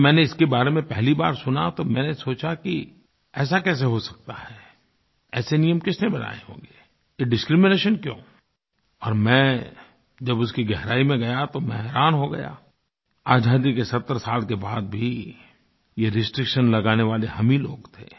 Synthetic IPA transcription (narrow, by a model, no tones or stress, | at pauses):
mɛ̃ːneɪskebaːɾemẽpɛɦlibaːɾsʊnat̪omɛ̃ːnesoːt͡ʃaki | ɛːsakɛːs̬eɦosɐ̥k̚t̪aɦɛː | ɛːsenijəmkɪsnẽbɐna̰ːeɦõ̰ːɡe | jeɖɪskɾimɪneːʃənkjõ̰ː | ɔːɾmɛ̃ː | d͡ʒɐbʊskiɡɛɦɾaːimẽɡɐjat̪omɛ̃ɦɾaːnɦoɡɐ̰ja̰ː | aːd͡ʒʱaːd̪ikesɐt̪ːəɾsaːlkebaːd̪̚bʱi | jeɾɪsʈɾɪkʃənlɐɡaːneʋaːleɦɐmilo̰ːɡt̪ʰḛː